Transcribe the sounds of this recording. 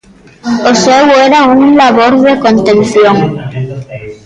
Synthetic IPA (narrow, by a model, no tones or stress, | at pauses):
oseweɾauŋlaβoɾðekõnt̪ẽnθjoŋ